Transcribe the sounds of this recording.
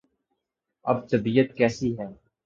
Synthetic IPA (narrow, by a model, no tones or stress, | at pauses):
ɐ̰b̚t̪ɐbiːjət̪̚kɛːsiɦɛː